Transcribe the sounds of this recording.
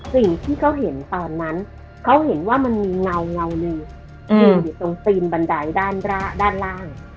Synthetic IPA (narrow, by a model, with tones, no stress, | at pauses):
si˨˩ŋt̪ʰiː˥˩kʰa˦˥wɦe˩˦nt̪ɔː˧nːa˦˥n | kʰa˦˥wɦe˩˦nwaː˥˩ma˧nmiː˧ŋa˧wŋa˧wnɯː˧ | nɯ˧˩dɯ˨˩t̪o˧ŋt̪iː˧nba˧ndaː˧jdaː˥˩nɾaː˥˩daː˥˩nlaː˥˩ŋ